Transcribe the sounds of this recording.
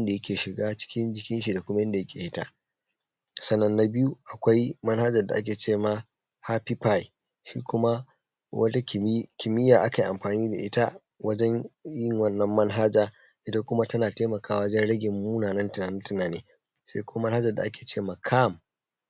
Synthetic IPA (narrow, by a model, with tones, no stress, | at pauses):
nda˨jɐ˦kʲeː˨ʃɪ˨ɡaː˦t͡ʃɪ̥˦kʲɪ˦nd͡ʒɪ˦kʲɪ˦nʃ̬i˨da˨kʷʊ˦ma˦jɛ˦nda˨jɐ˦kʲeː˨hɪ˦ta̰˦˨ | sɐ˦nːɐ˦nːa˨bɪ˦ju˦ʔa˨kʷa˦jmɐ˦nha˦d͡ʒɐ˨rda˨ʔa˦k̬ʲeː˨t͡ʃeː˦ma˨ | ha˦pi˦pa˦j | ʃḭː˦kʷʊ˦ma˦ | wɐ̰˦ta˦˨kʲɪ˨mɪ˦jːaː˨ʔa˦ka˨ʔa˨mɸaː˨niː˦da˨ʔɪ˦ta˦ | wɐ˦d͡ʒɛ˦ɲjɪ˦˨ŋwɐ˦nːɐ˦mːɐ˦nɦa˦d͡ʒaː˨ | ʔɪ˦ta˦kʷʊ˦ma˦tɐ˦naː˨teː˦mɐ˨kaː˦wɐ˦d͡ʒɛ˦nɽɐ˦ɡʲɪ˨mːuː˦naː˨nɐ˦ntɪ˨naː˨nɪ˦ntʊ˨naː˨nḛː˦ | sḛ˦kʷʊ˦ma˦mɐ˦nha˦d͡ʒɐ˨da̰˨ʔa˦kʲeː˨t͡ʃeː˦˨ma˨kʰa˦˨m